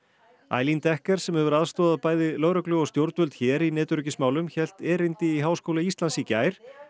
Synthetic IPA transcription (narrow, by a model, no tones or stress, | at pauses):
a̰ːjlint̪ɛhkɛɾ̥sɛmhɛvʏɾaðst̪ɔːðaðpaːjðɪlœːɾœklʏɔst̪jowɾt̪vœlt̪çɛːɾinɛːt̪ʏɾʏcɪsmaːwlʏmçɛl̥t̪ɛːɾɪjnt̪ɪiɦaːwskowlaist̪lansicaːjɾ̥